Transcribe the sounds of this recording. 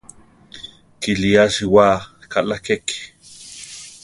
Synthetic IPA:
kiliaʃiwakalakek

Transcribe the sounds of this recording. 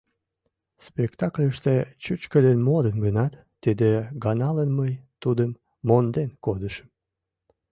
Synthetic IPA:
spekt̪ɑklʲəʃt̪et͡ɕut͡ɕkəlenmod̪ənɡənɑt̪ːid̪eɡɑnɑlənməjt̪ud̪əmː | ond̪enkod̪əʃə̥m

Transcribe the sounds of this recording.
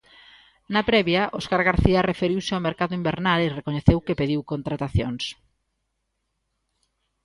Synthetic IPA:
napɾɛβjaʔoskaɾɣaɾθiɐrefeɾiwsɪawmeɾkaðʊimbeɾnalerekoɲeθewkepeðiwkont̪ɾat̪aθjo̰ŋs

